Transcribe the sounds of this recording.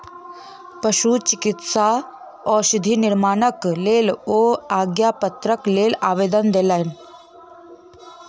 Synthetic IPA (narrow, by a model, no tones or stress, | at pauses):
pɐʃut͡ʃɪkɪt̪sa | ɔːɾsɪd̪ʱinɪɾmaːnəkleːloːaːɡjapət̪ɾəkleːlaːʋeːd̪ənd̪eːlan